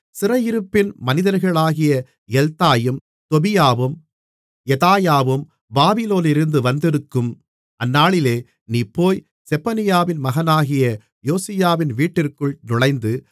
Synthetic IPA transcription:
sɪrɐjɪɾɯpːɪnmɐnɪðɐɾɣɐɭaːɣɪjɐ | jɛlt̪aːjɯm | t̪ɔbɪjaːʋɯm | jɛt̪aːjaːʋɯm | baːbɪloːnɪɾɯnd̪ɯʋɐnd̪ɪɾɯkːɯm | ʔɐnːaːɭɪleː | niːpːoːj | sɛpɐnɪjaːʋɪnmɐɣɐnaːɣɪjɐ | joːsɪjaːʋɪnʋiːʈːɪrkɯɭnʊɻɐɪnd̪ɯ

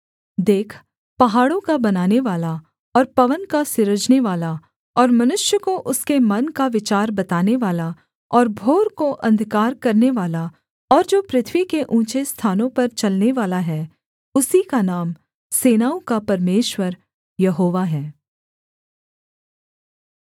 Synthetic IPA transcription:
d̪eːkʰ | pɐɦaːɽõkabɐnaːneʋaːla | ɔːɾpɐʋənkasɪɾəd͡ʒneʋaːla | ɔːɾmɐnʊʃjəkoʔʊskemɐnkaʋɪt͡ʃaːɾbɐt̪aːneʋaːla | ɔːɾbʱoːɾkoʔɐ̃nd̪ʱkaːɾkɐɾneʋaːla | ɔːɾd͡ʒoːpɾɪt̪ʰʋikeʔũːt͡ʃest̪ʰaːnõpɐɾt͡ʃɐlneʋaːlaɦɛː | ʊsikanaːm | seːnaːũkapɐɾmeːʃwəɾ | jɐɦoːʋaɦɛː

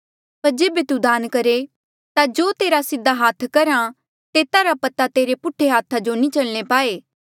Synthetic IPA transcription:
pɐɾd͡ʒeːbet̪ud̪aːnkɐɾe | t̪ad͡ʒoːt̪eːɾasɪd̪ʱːaɦaːt̪ʰkɐɾã | t̪eːt̪aɾapɐt̪at̪eːɾepʊʈʰːeɦaːt̪ʰad͡ʒonĩt͡ʃɐlñepaːeː

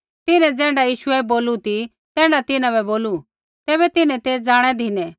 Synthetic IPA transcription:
t̪ɪnɛ̃d͡zɛ̃ːɖajiːʃʊɛboːlut̪i | t̪ɛ̃ːɖat̪ɪnãβɛboːlu | t̪ɛːβɛt̪ɪnɛ̃t̪eːd͡zaːɽ̃ɛd̪ʱɪnɛ̃

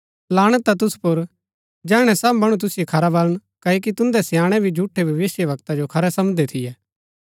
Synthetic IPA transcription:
laːɽ̃ɛt̪at̪ʊspʊɾ | d͡ʒɛːɽ̃ɛsɐbːɐɽ̃ut̪̬ʊsɪjokʰɐɾabɐləɽ̃kɐok̬it̪ʊ̃nd̪ɛsjaːɽ̃ɛbʱid͡ʒʱuːʈʰːebʱɐʋɪsjəʋɐkt̪ad͡ʒokʰɐɾɛsɐmd̪et̪ʰɪjɛː

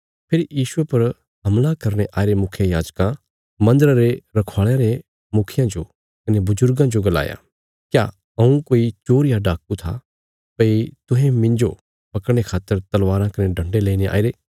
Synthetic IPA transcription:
pʰɪɾjiːʃʊepɐɾ | ɦɐmlakɐɾñeʔaːɪɾemʊkʰjãjaːd͡ʒkã | mɐ̃nd̪əɾaɾeɾɐkʰaːɭjãɾe | mʊkʰɪjãd͡ʒo | kɐnebʊzʊɾɡãd͡ʒoɡɐla̰ːja̰ | kjaː | ɐũkoːit͡ʃoːɾɪjaɖaːkut̪ʰa̰ | pɐit̪ʊ̃ɦẽmɪ̃nd͡ʒo | pɐkəɽɽ̃ekʰaːt̪ːəɾt̪ɐlʋaːɾãkɐneɖʱɐ̃ɳɖeleːineʔa̰ːɪɾeː

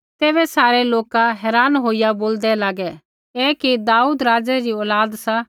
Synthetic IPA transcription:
t̪eːbɛsaːɾɛloːkaɦɛːɾaːnɦoːijaboːld̪ɛlaːɡɛ | eːkid̪aːuːd̪ɾaːd͡zɛɾiɔːlaːd̪sa

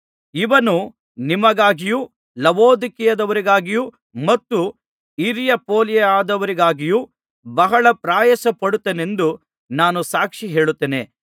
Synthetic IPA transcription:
iʋɐnu | nimɐɡaːɡiju | lɐʋoːd̪ikijɐd̪ɐʋɐɾiɡaːɡiju | mɐt̪ːu | iɾijɐpoːljɐaːd̪ɐʋɐɾiɡaːɡiju | bɐɦɐɭɐpɾaːjɐsɐpɐɽut̪ːene̞nd̪u | naːnusaːkʂiɦe̞ːɭut̪ːeːne̞̰

